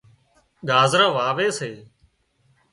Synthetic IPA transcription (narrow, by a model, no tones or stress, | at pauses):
ɠaːzɾãːʋaːʋeːseː